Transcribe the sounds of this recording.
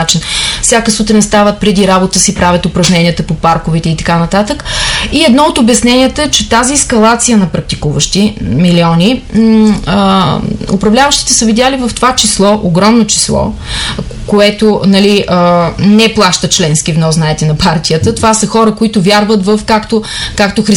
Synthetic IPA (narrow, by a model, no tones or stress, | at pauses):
at͡ʃinfsʲjakəsut̪ɾʲinst̪avət̪̚pɾɛd̪iɾabot̪əsipɾavʲət̪ʊpɾɐʒnɛnʲiət̪əpopaɾkovit̪ɛit̪ɐ̥kanɐt̪at̪əkiɛd̪nɔot̪obɐsnɛniət̪əɛt͡ʃɛt̪aziɛskɐlˠat̪sijənɐpɾɐk̚t̪ikuvəʃt̪imiliɔnʲi | ʊ̰pɾɐvlʲavəʃt̪i̥t̪ɛsəvid̪jalivəft̪ovat͡ʃislˠɔʔoɡɾɔmnot͡ʃi̥slˠɔ̰ | koɛt̪onɐliənɛplˠaʃt̪ət͡ʃlɛnskivnɔsnaɛt̪ɛnɐpʰaɾt̪ijət̪ət̪ovasəxɔɾəkoit̪ʊvʲjaɾvət̪vəfkakt̪okakt̪oxɾi